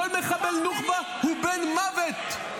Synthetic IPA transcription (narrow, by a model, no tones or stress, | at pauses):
olmeχabelnuχma | hubenmavet̪